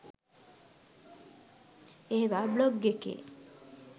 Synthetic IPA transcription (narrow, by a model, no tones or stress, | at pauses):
eɦebabloɡːekḛ